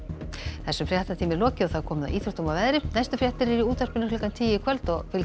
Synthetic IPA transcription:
θɛsːʏfɾjɛht̪at̪ʰiːmɪlɔːcɪɔɣθað̥kʰɔːmʏða̰ʔiːt̪ʰɾɔ̥t̪umavɛðɾɪnajst̪ʏfɾjɛht̪ɪɾɛɾiuːt̪ar̥pɪnʏlɪkant̪ʰiːjɪkʰvɛlt̪ɔɣfɪl

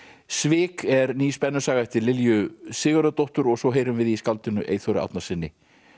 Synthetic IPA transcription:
svɪːkɛɾniːspɛnːʏsaːɣaht̪ɪlːɪljʏsɪːɣʏɾat̪ɔht̪ʏɾɔɣsɔɦeːjɾʏmvɪðiskalt̪ɪnʏʔḛjθɔɾɪ̰a̰wt̪nasɪnːɪ

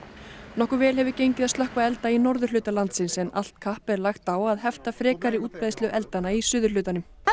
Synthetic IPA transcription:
nɔhkʏɾvɛːlɦɛvɪcejɲcɪðaðsœhkvaɛlt̪ainɔɾðʏɾ̥lʏːt̪alant̪sɪnsɛna̰l̥t̪kʰahpɛɾlaxt̪aːwaðhɛft̪afɾɛːkaɾɪuːt̪̚paðstlœʔɛlt̪anaisʏːðʏɾ̥lʏːt̪anʏm

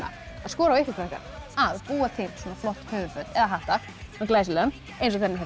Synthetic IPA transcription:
a̰ | aðskɔːɾawɪhkɪkʰɾɛhka̰ɾaðpuːat̪ʰɪmsɔːnaflɔht̪hœːvʏfœt̪ɛðaɦaht̪ax | ɛklaːsɪlœm | ẽjnsɔɣθɛnːɪɦœ

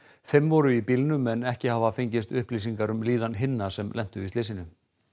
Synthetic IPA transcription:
θemvɔɾʏipilnʏmɛnɛhcɪhavafeɲcɪst̪ʏhplis̬iŋkaɾʏmliːðanɦɪnːasɛmlɛn̥t̪ʏit̪ejs̬ɪnʏ

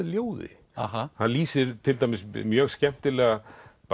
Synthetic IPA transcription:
ljoːwðɪ̰ | aɦahanliːsɪɾt̪ʰɪlt̪ajmɪsmjœːɣscɛm̥t̪ɪlɛːɣap

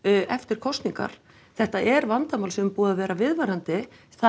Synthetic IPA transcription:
ɛft̪ɪɾ̥kʰɔst̪niŋka̰ɾ̥ | θɛht̪aʔɛɾvant̪amawlsɛmpuːðavɛːɾavɪðvaɾant̪ɪ | θa

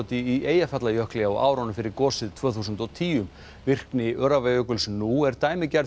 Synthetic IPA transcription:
t̪ɪieːjafat̪lajœhklɛɣaɔʔa̰ːwɾɔnʏmfɪɾɪɾkɔːsɪðt̪ʰvœːθusʏnt̪ɔt̪ʰiːʏm | vɪr̥knɪʔœɾavɛjœkʏlsnuɛɾt̪aːjmɪcɛɾ

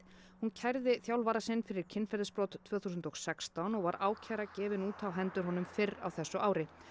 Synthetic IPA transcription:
huncʰajɾðɪθjawlvaːɾasɪnfɪɾɪɾ̥cʰɪnːfɛɾðɪspɾɔwt̪t̪ʰvœːθuːsʏnt̪ɔksɛkst̪awnɔɣvaɾaːwcʰaːjɾacɛːvɪnuːt̪ʰawɦɛnt̪ʏɾɦɔnʏmfɪra̰wθɛsːʏʔaːwɾɪ

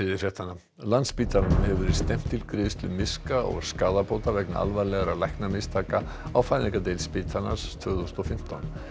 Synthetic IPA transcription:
ɪðɪfjɛht̪anːa | lant̪spiːt̪ʰanmhɛvʏɾɪ̥st̪ɛm̥t̪ʰːɪlkɾɪːðʏst̪ʰlʏmɪskaɔ̰ɣskaːðapowt̪avɛkna̰ʔa̰lvalɛɣaɾalajhknamɪst̪ʰaːka | awfaːjnɪŋkat̪ejlspɪːt̪ʰana̰st̪ʰv̥œːɣðust̪ɔfɪm̥t̪ʰɔn

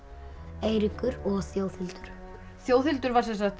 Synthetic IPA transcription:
eːjɾɪkʏɾɔɣθjoːwθɪlt̪ʏɾ̥ | θjoːwθɪlt̪ʏɾvaɾ̥sɛnsaxt̪

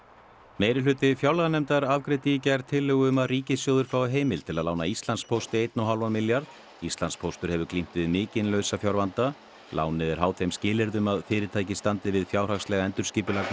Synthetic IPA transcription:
meːjɾɪlʏːt̪ɪfjawlɣanɛmt̪aɾavkɾɪt̪icajɾ̥t̪ʰɪlːʏɣʏmariːcɪsjowðʏɾfɾawɦeːjmɪlt̪ʰɪlaðlawnaist̪lanspʰowst̪ɪejt̪naɦalvanmɪljaɾð | ist̪lanspʰowst̪ʏɾ̥hɛvʏɾklim̥t̪vɪðmɪːcɪnlœɥsafjawɾvant̪a | lʔa̰ːwnɪðɛɾ̥haːwt̪ʰθejmscɪːlɪɾðʏmaðfɪːɾɪt̪ʰaːjcɪst̪ant̪ɪvɪðfjaːwr̥axslɛɣaɛnt̪ʏɾ̥scɪːpʏlakn

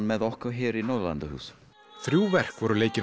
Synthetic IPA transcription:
nmɛðɔhkɔɾɦɪːɾinɔðla̰nt̪əhṵːs | θɾjuːvɛr̥kvɔɾʏleːjcɪ

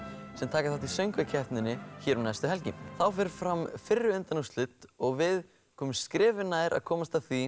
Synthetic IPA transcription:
sɛmt̪ʰaːkaθaht̪ʰisœɥŋkvacʰɛht̪nɪnːɪçɛːɾunajst̪ʏɦɛlcɪθawfɛɾ̥fɾamfɪrːʏʏnt̪anust̪lʏt̪ɔɣvɪð | kʰɔːmʏmskɾɪːvɪnaːjɾʔa̰ðkʰɔːmast̪aθvi

